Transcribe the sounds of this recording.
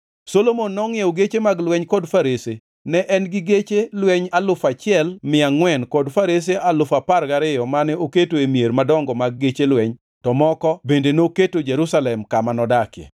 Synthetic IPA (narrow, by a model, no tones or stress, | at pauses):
solomonːɔŋɪeoɡet͡ʃemaɡlwɛɲkɔdfaɾese | nɛʔɛnɡɪɡet͡ʃelwɛɲalʊfat͡ʃɪɛlmɪaŋwɛnkɔdfaɾes̬eʔalʊfaparɡaɾɪjɔmanɪoketoemjeɾmadɔŋɡɔmaɡ̚ːet͡ʃelwɛɲ | tɔmɔkɔbendenoketod͡ʒeɾusalɛmkamanɔdakjḛ